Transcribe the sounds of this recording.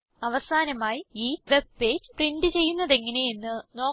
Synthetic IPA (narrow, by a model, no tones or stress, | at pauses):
ɐʋɐsaːnɐmaːjiiːʋe̞b̚pe̞ːd͡ʑprindɨt͡ɕe̞jːunːɐðe̞ŋːɐne̞jenːɨno̞ː